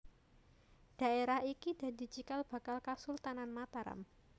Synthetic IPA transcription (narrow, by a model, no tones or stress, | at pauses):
ɖ̥a̤eɾahʔikid̥a̤di̤t͡ʃikalb̥a̤kalkasʊlt̪ananmat̪aɾa̰m